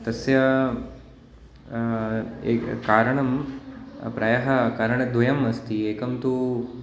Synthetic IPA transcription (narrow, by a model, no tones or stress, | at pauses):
t̪ɐsjɐ | ḛkaːɾɐɳɐm | pɾɐjɐɦɐkaːɾɐɳɐd̪ʋɐjɐmɐst̪iːeːkɐmt̪u